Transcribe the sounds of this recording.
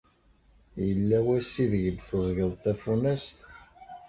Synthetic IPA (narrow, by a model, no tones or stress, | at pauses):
jəlːæwæsiðəʝəd̪θəzˤʝəðˤθæfunæst̪